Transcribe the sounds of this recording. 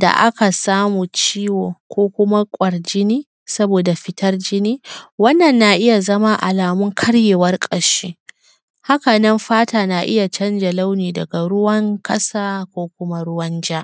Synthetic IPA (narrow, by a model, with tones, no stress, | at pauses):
da̰˨ʔa̰˦ka˨saː˦muː˨t͡ʃiː˦woː˨kʷoː˦kʷʊ˦ma˦kʷʼɐ˨ɽd͡ʒɪ˦niː˦ | sɐ˦boː˨da˨ɸɪ˦tɐ˦rd͡ʒɪ˦niː˦wɐ˦nːɐ˨nːa˨ʔɪ˦ja˨zɐ˦ma˦ʔa̰˨laː˨mʊ˦ŋkʰɐ˦ɽjeː˨wɐ˦rkʼɐ˨ɾʃiː˦ | ha˦ka˨nɐ˦mɸaː˦taː˨na˨ʔɪ̰˦ja˨t͡ʃɐ˦nd͡ʒa˨la˦wniː˨dɐ˨ɡa˨ɽʊ˦wɐ˦ŋkʰʼɐ˦saː˦kʷoː˦kʷʊ˦ma˦ɽʊ˦wɐ˦nd͡ʒaː˦ʔ